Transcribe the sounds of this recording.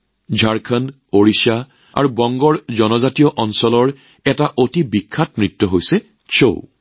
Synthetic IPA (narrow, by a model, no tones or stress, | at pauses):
d͡ʒʱaɹkʰan | oɹisa | a̰ɹubɔŋɡɔɹzɔnɔzatijɔʔɔnsɔlɔɹ | ɛtaʔotibikʰːatmɹitːɔɦojsɛ | so̰w